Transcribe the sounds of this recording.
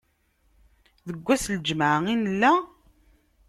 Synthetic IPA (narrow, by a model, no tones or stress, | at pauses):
ðəɡʷːæsld͡ʒməʕəinəlːæ